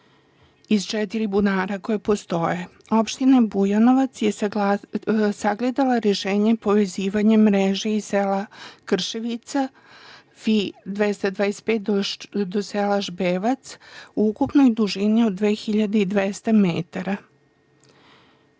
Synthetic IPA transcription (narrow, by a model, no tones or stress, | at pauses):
izt͡ʃɛt̪iɾibunaːɾako̞jepo̞st̪o̞je | o̞pʃt̪inabujano̞ʋat̪sje̞ | saɡled̪alaɾeʃeːɲe̞po̞ʋe̞ziːʋaɲemɾeʒeisselakr̩ʃeʋit̪sa | fid̪ʋest̪ad̪ʋaːespet̪̚d̪od̪oselaʒbeːʋat̪suukupno̞jd̪uʒiniod̪ːʋe̞ːxiʎad̪eid̪ʋest̪amet̪aɾa